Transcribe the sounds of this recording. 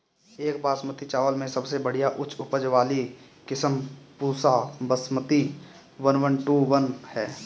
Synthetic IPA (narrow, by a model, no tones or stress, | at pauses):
eːkbaːsmət̪it͡ʃaːʋəlmẽsəbsebəɽ̤ijaʔʊt͡ʃʰʊpəd͡ʒʋaːli | kɪsəmpuːsabəsmət̪i | ʋənʋənʈuʋənhɛː